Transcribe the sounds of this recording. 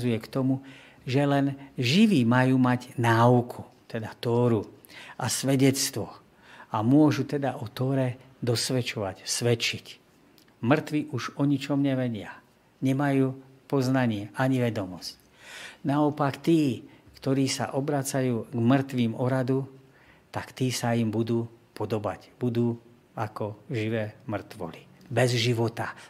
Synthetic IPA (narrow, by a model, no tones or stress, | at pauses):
zujɛkt̪ɔmu | ʒɛlɛnʒiʋiːmajuːmaɟnaːukʰu̥t̪ɛd̪at̪ɔːɾuʔasʋɛɟɛt͡st̪ʋɔ | amʊɔʒut̪ɛd̪aʔɔt̪ɔːɾɛ | d̪ɔsʋɛt͡ʃɔʋa̰csʋɛt͡ʃic | mr̩t̪ʋiʔuʒɔɲit͡ʃɔmɲɛʋɛɟɪa | ɲɛmajuː | pɔznaɲɪɛʔaɲiʋɛd̪ɔmɔsc | naɔpakt̪iːkt̪ɔɾiːsa̰ʔɔbɾat͡sajuːɡmr̩t̪ʋiːmɔɾad̪u | t̪akt̪iːsaimbud̪uːpɔd̪ɔba̰cbud̪uː | akɔʒiʋɛːmr̩t̪ʋɔ̰libɛzʒiʋɔt̪a